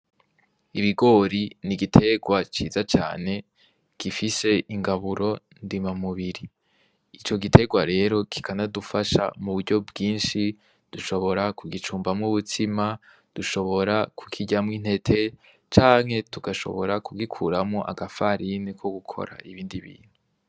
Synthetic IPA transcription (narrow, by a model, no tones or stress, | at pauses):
iβiɡo̞ɾiniɡitʰe̞ɡwat͡ʃiːzat͡ʃa̰ːne̞ | ɡ̥ifise̞ʔiŋɡaβuɾo̞ | ndimamuβiɾi | it͡ʃo̞ɡitʰe̞ɡwaɾe̞ɾo̞kʰi̥kʰanadufaʃa̰muβuɾɟo̞bɡiːnʃi | d̥uʃo̞βo̞ɾakuɡit͡ʃuːmbamŋuβutima | d̥uʃo̞βo̞ɾakʰu̥kʰiɟamŋin̥e̞tʰe̞ | t͡ʃaːŋ̥he̞tuɡ̥aʃo̞̰βo̞ɾakuɡikʰuɾamŋoʔa̰ɡafaɾinekʰo̞ɡukʰo̰ɾa̰ʔiβiːndiβḭːn̥hu